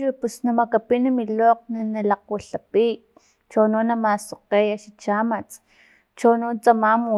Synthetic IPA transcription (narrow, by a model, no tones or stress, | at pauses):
ipusnamakapinamiloːq̚nanalaq̚waɬapi | t͡ʃononːamasoqejaʃit͡ʃamat͡s | t͡ʃonont͡samamu